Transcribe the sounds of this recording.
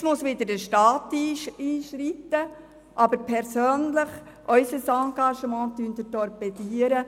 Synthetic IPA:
smʊsʋɪd̪əɾdəʃtɑːt̪iːiːʃɾit̪ːə | ʔɑbəɾpʰɛɾsøːnləχ | ʔœʏsəsɑŋɡɑʃəmɑ̃ːt̪ynd̪ətɔɾpɛdiːəɾə

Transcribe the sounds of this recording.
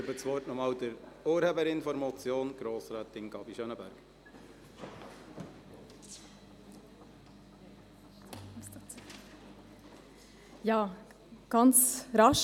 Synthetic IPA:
øbət͡sʋɔrtnɔmɑːld̪əɾoːɾheːbəɾɪnfɔɾmɑt͡sjoːnɡ̥ɾoːsɾæːt̪ɪnɡ̥ɑbiʃœnəbæɾɡ̥ | jɑː | ɡ̥ɑnt͡sɾɑʃ

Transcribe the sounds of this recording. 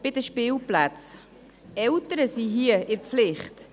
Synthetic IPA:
b̥ɪdəʃpɪːlplat͡s | ɛltəɾəsiɦiəʔɪɾpflɪχt

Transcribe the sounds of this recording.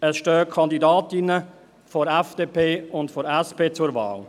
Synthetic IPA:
əsʃtøːkʰɑndidaːtɪnə | fɔɾɛfd̥eːpʰeːʊntfɔɾɛspeːt͡sʊɾva̰ːl

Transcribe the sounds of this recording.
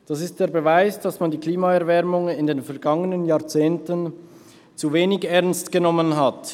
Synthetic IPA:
d̥asɪst̚d̥eːɐbevaɪsd̥asmandiːkʰliːmaɛɐvɛɐmʊŋɪndeːnfɛɐɡɑŋənənjaːɐt͡seːntən | t͡suveːnɪçɛɐnstɡ̥ənɔmənɦat

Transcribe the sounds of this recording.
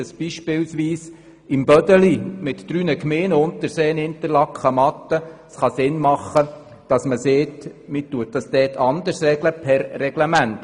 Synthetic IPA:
əsb̥iʃpɪlsʋiːs | ɪmb̥œdəlimɪtd̥ɾyːnəkmeːnəʊnt̪əɾseːənɪnt̪əɾlɑkχəmɑt̪ːəsχɑsɪnmɑχːə | d̥ɑsməseːtmɪtːuət̚d̥ɑsd̪ɛːtʰɑnd̪əɾsrɛɡləpʰɛɾːɛɡlɛmænt

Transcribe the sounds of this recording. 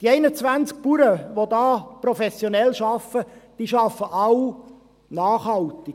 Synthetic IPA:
d̥iɛɪnət͡sʋænt͡sk̚puɾəʋodɑːprofɛsjonɛlʃɑfəd̥iːʃɑfːəʔɑw | nɑːχhɑlt̪ɪ

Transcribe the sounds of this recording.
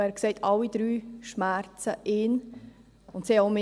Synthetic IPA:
æːɾkseɪtʰɑlːid̥̪ɾyːʃmæɾt͡səʔɪn | ʊntsioʊmɪ

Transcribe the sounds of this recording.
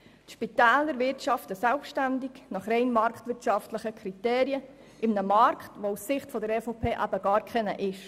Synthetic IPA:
tʃpit̪æːləɾʋɪɾtʃɑftəsalfʃtændiɡnɑχɾɛɪnmɑɾktvʋɪɾtt͡ʃɑftləχəkʰɾiteːɾiə | ʔɪmnəmɑɾkχtʋousɪχtfɔdəɾɛfopʰeːʔæb̥əɡɑːɾkʰχɛnəʔɪʃ

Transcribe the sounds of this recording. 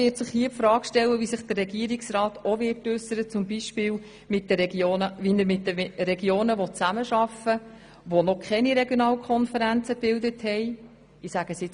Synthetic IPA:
ɪːtsɪχhiːəpfɾɑːkʃtɛlːəʋisɪχd̥ərːɛɡiəɾiksɾɑːtoʋɪːtʉsəɾət͡sʊmbiʃpɪːl | mɪt̚dəɾɛɡjoːnəʋiməɾmɪt̚dəɾɛɡjoːnəʋɔt͡sæməʃɑfə | ʋonɔkʰɛniɾɛɡjonɑːlkʰɔnfəɾænt͡səb̥ɪldəthɛɪ | ɪsæɡ̥əsɪ

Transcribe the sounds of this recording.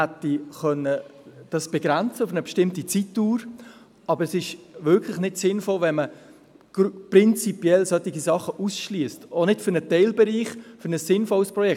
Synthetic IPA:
hɛtːiχœnːəd̥ɑsb̥ɛɡɾɛnt͡səʊfənəbɛʃtɪmtit͡sitːuːɾ | ɑbəɾɛsɪʃvɪɾkʰlɪχnɪtsɪnfɔlvɛnmə | ɡ̥prɪnt͡sipjɛlsœt̪iɡisɑχəʔusʃliəstonɪtfʏɾnətɛɪlbɛɾiːχfʏnəsːɪnfɔlspɾɔjɛ

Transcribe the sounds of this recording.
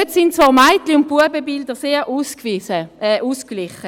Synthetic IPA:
øtsintt͡svɔːʁmaɪtliʊnt̚puəbəbild̪əʁseːʁʔuːskvisəɛːʔuːsklɪχə

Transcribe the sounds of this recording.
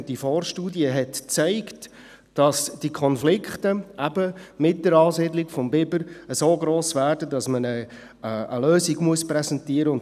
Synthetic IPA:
d̥ifɔːrʃtuːdiəɦɛtt͡sæɪkt | d̥ɑsd̥ikʰχɔnflɪkχtəʔæbəmɪt̚d̥əɾɑːsɪdlɪɡfɔmbɪbəɾəsoːɡɾoːsvæːɾdədɑsmənə | ə̰løːziɡmuəspɾɛsɛntiəɾəʊn

